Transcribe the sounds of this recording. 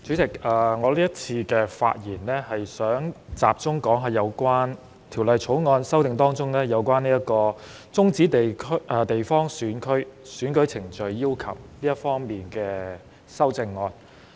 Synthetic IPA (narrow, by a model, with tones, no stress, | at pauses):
t͡ʃʰyː˨˥t͡sɪ˨˩k̚ɐː˨ŋɔː˨˧liː˥jɐ˥t̚t͡sʰiː˧kɛː˧fa̰ː˧t̚jiː˨˩nlɛː˥hɐ˨jsœː˨˥ŋt͡sa̰ː˨p̚t͡sʊ˥ŋkɔː˨˥ŋɦaː˨jɐ˨˧wkʷwaː˥n | t̪ʰiː˨˩wlɐ˨jt͡ʃʰo˨˥wŋɔː˧nsɐ˥wt̪ɪ˨ŋt̪ɔː˥ŋt͡sʊ˥ŋnɛː˥jɐ˨˧wkʷaː˥niː˥ɐ˥tkɔː˧ | t͡sʊ˥ŋt͡siː˨˥t̪e˨kʰʔɛː˨t̪e˨jfɔː˥ŋsyː˨˥nkʰɵ˥ɥsyː˨˥nkɵ˨˥ɥt͡sʰɪ˨˩ŋt͡ʃɵ˨ɥːiː˥wkʰɐ̰˨˩w̚liː˥ɐ˥t̚fɔː˥ŋmiː˨˩nkɛː˧ | sɐ˥wt͡sɪ˧ŋːɔː˧n